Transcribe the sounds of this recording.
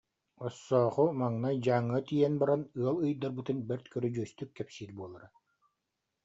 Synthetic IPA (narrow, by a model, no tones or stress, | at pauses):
ɔsːɔːχumaŋnad͡ʑaːŋːɯt̪ijɛnbaɾanɯɐlˠɯjd̪aɾbɯt̪ɯnbɛɾt̪kœɾyd͡ʑyœst̪ykːɛpsiːɾbuɔlˠaɾa